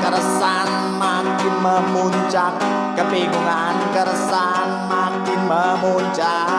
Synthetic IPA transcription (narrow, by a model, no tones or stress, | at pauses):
kəɾəsan | mamkinməmuɲt͡ʃak̚ | kəpekəna | nkəɾəsa | nmaŋkinməmoɲt͡ʃa